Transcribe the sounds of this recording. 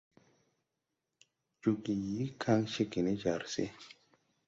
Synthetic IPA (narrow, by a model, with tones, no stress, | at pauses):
d͡ʒu˧ɡi˨ji˨˦kʰa˦ŋʃe˦ɡi˨ne˦d͡ʒa˨ɾsḛ˦